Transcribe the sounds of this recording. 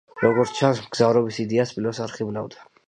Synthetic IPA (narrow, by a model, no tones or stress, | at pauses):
ɾɔɡɔɾt̪t͡ʃʰansmɡzavɾɔbisid̪iaspʼilɔsaɾχibnavd̪ḁ